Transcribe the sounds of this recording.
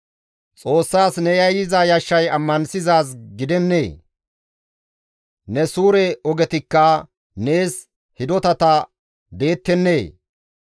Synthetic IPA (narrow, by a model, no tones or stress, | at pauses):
t͡sʼo̞ːsːaːsnɛjɐjɪzajɐʃːɐjɐmːɐnsɪzaːsɡɪd̪ɛnːḛː | nɛsuːɾɛɔɡɛt̪ɪkːɐ | ne̞ːs | hɪd̪ɔt̪ɐt̪ɐ | d̪e̞ːt̪ːɛnːeː